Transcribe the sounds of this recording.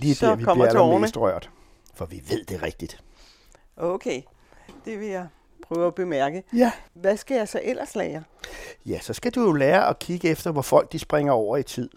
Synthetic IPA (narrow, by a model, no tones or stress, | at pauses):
li̥ːʋikɒ̥iælnəsd̥ʁɶɐ̰d̥ | fɒ̽ʋiʋe̝ð̞̰ˠd̥e̝ʁɛɡ̥̚d̥id̥ | ʔoʊkʰeː | d̥e̝ʋe̝jɑ̈ɪ | pʰʁœːʊæb̥emæɐɡ̥əʋæsɡ̥æjɑ̈ɪsɒ̽ʔel̰ɐslɛːɐjæsɒ̽sɡ̥æd̥ujo̝lɛːɐʔɒ̽kʰiɡ̥əefd̥ɐʋɒfɒ̽l̰ɡ̥̚d̥isb̥ʁeŋɐɒʊ̰ɐit͡sʰið̰ˠ